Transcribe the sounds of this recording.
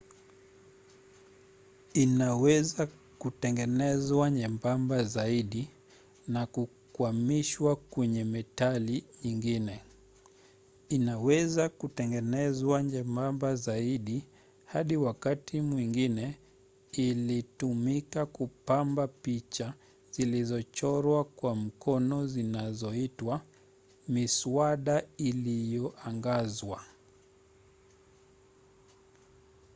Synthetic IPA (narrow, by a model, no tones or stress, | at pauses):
inawɛza | kutɛŋɡɛnɛzwaɲɛmbambazaiɗi | naku | kwamiʃwakwɛɲɛmɛtaliɲiŋɡinɛ | inawɛzakutɛŋɡɛnɛzwaɲɛmbambazaiɗi | haɗiwakatʰimwiŋɡinɛ | ilitumikakupambapit͡ʃa | z̥ilizɔt͡ʃɔɾwakwam̩kɔnɔzinazɔitwa | misuaɗailijɔʔaŋɡazwa